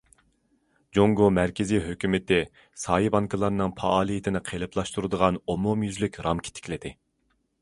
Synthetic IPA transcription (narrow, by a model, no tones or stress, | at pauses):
d͡ʒoŋɡomæɾkʲɪzijɦøkʲymɪt̪ɪ | sɑːibɑŋkʰəlˠɑɾnɨŋpʰɑʔɑːlˠijɪt̪ʰɪnɪqʰelˠɨpʰlˠɑʃt̪uɾɨd̪əʁɑnomumjyzlykʲɾɑmkʲʰi̥t̪ʰɪ̥kʲlɪd̪ɪ